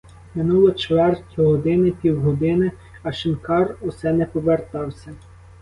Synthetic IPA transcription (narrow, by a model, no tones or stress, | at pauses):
mɪnulˠɔt͡ʃʋɛrtʲɦɔd̪ɪnɪpʲiwɦɔd̪ɪnɪ | ɐʃɪnkɑrusɛnɛpɔʋert̪ɑwsʲɐ